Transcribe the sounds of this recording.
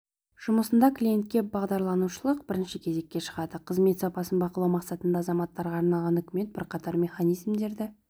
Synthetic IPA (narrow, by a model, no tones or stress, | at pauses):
ʒ̥ʊməsənd̪ɑklʲije̞nt̪̚kʲe̞bɑʁd̪ɑɾlˠɑnuʃəlˠəq̚bɪɾɪnʃɪkʲʰe̞ze̞kʲːe̞ʃə̥ʁɑd̪əqʰəzme̞t̪sɑpɑsənbɑqlˠɑwmɑqsɑt̪ənd̪ɑːzɑmɑt̪ːɑɾʁɑːɾnɑlˠʁɑnʏkʲɪme̞t̪̚b̥ɪ̰ɾqʰɑt̪ɑɾmʲe̞χɑnijzmd̪e̞ɾd̪ɪ